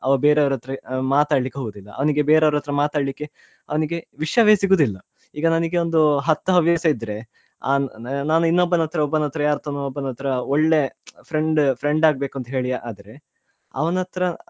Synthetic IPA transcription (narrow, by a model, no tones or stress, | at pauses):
ɐʋɐbeːɾeɐʋɐɾɐt̪ɾɐmaːt̪aːɽɐɭikːeɦoːɡud̪ilːɐ̰ɐ̰ʋɐniɡe̞beːɾeɐʋɐɾɐt̪ːɾɐmaːt̪aːɽlikːe | ɐʋɐniɡe̞ʋiʂjɐʋejɐsiɡoːd̪ilːɐ | iːɡɐnɐniɡe̞o̞nd̪uɦɐt̪ːɐɐʋjɐːsɐid̪ɐɾe̞ | a̰ːnaːnuinːobːɐnɐt̪ɾɐɔbːɐnɐt̪ɾɐjaːɾt̪ːonuɔbːɐnɐt̪ɾɐoɭːe̞pʰɾeɳɖpʰɾe̞ɳɖaːɡ̚be̞ːkuɐnt̪ɐɦe̞ːɭijaʔaːd̪ɐɾe̞ | ɐ̰ʋɐnɐt̪ɾɐ